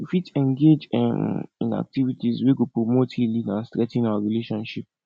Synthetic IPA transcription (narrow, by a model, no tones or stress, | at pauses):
ifitɛ̃ŋɡed͡ʒ | ḭ̃na̰k̚tivitizweɡopɹomothilĩnãnstɹɛtĩnawaɹileʃɔ̃nʃip̚